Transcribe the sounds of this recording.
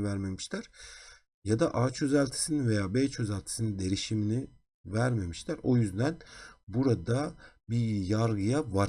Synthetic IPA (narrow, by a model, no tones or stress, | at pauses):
væɾme̞miʃt̪læɾ̥ | jad̪aʔaːt͡ʃʰø̞zælʲt̪ʰi̥sininve̞jaːbeːt͡ʃʰø̞zælʲt̪ʰi̥sinind̪e̞ɾiʃimini | væɾme̞miʃlʰʲæɾo̞jyzd̪ænbuɾad̪abijaɾɡɯjavaɾ